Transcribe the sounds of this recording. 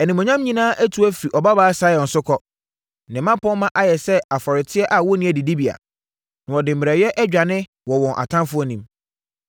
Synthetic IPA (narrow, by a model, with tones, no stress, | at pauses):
ɛ˨nĩ˨mɔ̃˨ɲã˦m˦ɲĩ˦nãː˦ʔæ˦tʰu˨˦æ˦fɾi˨ʔɔ˨ba˦baː˦a˦sa˦jɔ̃˨n˨sʊ˦kʰɔ˦ | nɪ̃˨mã˦pʰɔ̃˦mã˦ʔa˨jɛ˨sɛ˦a˨fɔ˨ɾɪ˨tʰɪ˦ɛ˦ʔa˨wɔ˦nĩ˦æ˨di˨di˦bi˨a̰˨ | nã˨wɔ˨dɪ̃˨m̩ː˨ɾɛ˨jɛ˦ʔɛ˦d͡ʑᶣa˨nɪ̃˦ | wɔ˨wɔ̃˨ʔa̰˨tʰã˦nfʊ˦ɔ˦nĩ˦m